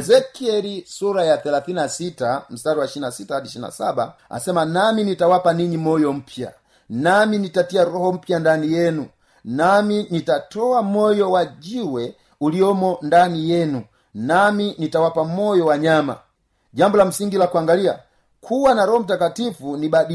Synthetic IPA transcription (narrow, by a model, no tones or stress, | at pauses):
ɛzɛkiɛlisuɾajaθɛlaθinasitam̩saɾiwaiʃinasitahadiʃina̰sabaa̰sɛmanaminitawapaniɲimɔjɔm̩pja̰ | naminitatiaɾɔhɔm̩pjandanijɛnu | naminitatɔamɔjɔwaɟiwɛ | ulijɔmɔndanijɛnu | naminitawapamɔjɔwaɲama̰ | ɟambɔlam̩siŋɡilakuaŋɡalia̰ | kʰuwanaɾɔhɔm̩t̬akatifunibaɗi